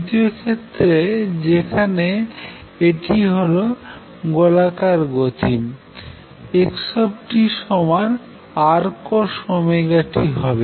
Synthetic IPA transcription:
it̪iokʰet̪ːɾed͡ʑekʰane | eʈiɦolo | ɡolakaɾɡot̪ʰim | ekʃɔbʈiʃɔmaɾ | aɾkoʃɔmeɡaʈiɦɔbe

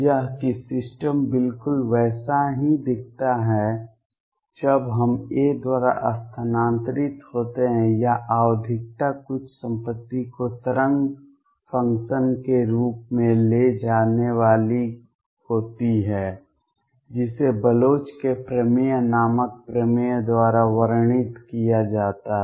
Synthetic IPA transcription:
jaɦkisɪsʈəmbɪlkʊlʋɛːsaɦid̪ɪk̚ʰt̪aɦɛ | d͡ʒəbɦɐmeːd̪waːɾa̰ʔəst̪ʰənãːnt̪ɾɪt̪hoːt̪eɦɛ̃jaʔaːʋd̪ʱɪk̚t̪akʊt͡ʃʰsə̃mpət̪ːikot̪əɾə̃ŋɡ | fʰə̃ŋkʃənkeɾuːpmẽled͡ʒaːneʋaːli | hoːt̪iɦɛː | d͡ʒɪsebəloːt͡ʃkepɾəmijnaːmək̚pɾəmijəd̪waːɾaʋəɾɳ̃ɪt̪kijad͡ʒaːt̪aɦ

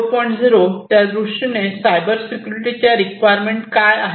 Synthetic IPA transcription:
pɔjɳʈd͡zʱiɾot̪jad̪ɾuʂinesajbəɾsikjuɾiʈit͡ɕjaɾikʋajɾmeɳʈkajaɦ

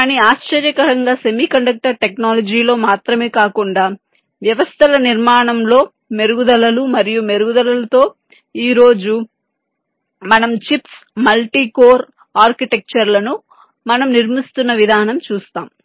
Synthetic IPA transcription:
kaːniaːʃt͡ʃɐɾjɐkɐɾɐŋɡaːsemiːkɐɳɖɐk̚ʈɐɾʈe̞knaːlɐd͡ʒiːlo̞ːmaːt̪ɾɐme̞ːkaːkuɳɖaː | ʋjɐʋɐst̪ʰɐlɐniɾmaːɳɐmlo̞ː | me̞ɾuɡud̪ɐlɐlumɐɾijume̞ɾuɡud̪ɐlɐlɐt̪o̞ː | iːɾo̞ːd͡ʒu | mɐnɐmt͡ʃips | mɐlʈiːkoːɾ | aːɾkiʈe̞k̚t͡ʃɐɾlɐnu | mɐnɐmniɾmist̪unːɐʋid̪ʱaːnɐmt͡ʃuːst̪aːm

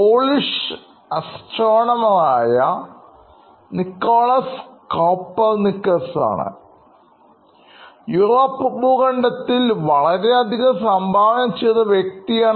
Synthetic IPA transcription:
poːliʂ | ɐst͡ɕoːɳɐmɐðaːjɐ | nikːoːɭɐskoːpːɐrnikːɐsa̰ːɳɨ̰ | juroːpːubuːɣɐɳɖɐt̪ːilʋɐɭɐɾe̞ɐd̪ʱiɣɐmsɐmbʱaːʋɐnɐmt͡ɕːejðɐʋjek̚t̪ijaːɳ

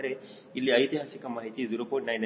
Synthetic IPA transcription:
ɾe | ilːiɐjt̪iɦasikɐmaːɦit̪id̪uɾupojɳʈnajn

